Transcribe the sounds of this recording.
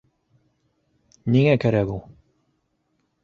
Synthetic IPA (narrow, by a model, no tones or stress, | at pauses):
niŋækæɾæɡu